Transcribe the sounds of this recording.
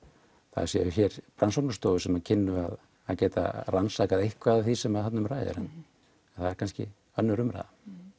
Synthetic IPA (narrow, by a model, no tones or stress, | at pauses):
θa̰ðsɛ̰ðʏçɛːɾ̥pɾʔansowknʏst̪owʏsɛmacʰɪnːʏa̰ð | acɛːt̪a̰ransakaðejhkvaðθisɛmaðhat̪nʏmraːjðɪ̰ɾɛ̰n | aθaðɛɾ̥kʰanscɪ̰ | œnːʏɾʏmɾa̰jða